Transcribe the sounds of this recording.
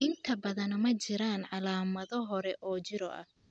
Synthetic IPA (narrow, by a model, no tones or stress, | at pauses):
ʔɪnt̪ʰɐbɐðɐnmɐt͡ʃɪɾaːnʕɑlaːmɐðɔɦɔɾɛʔɔːt͡ʃɪɾɔʔɐ̰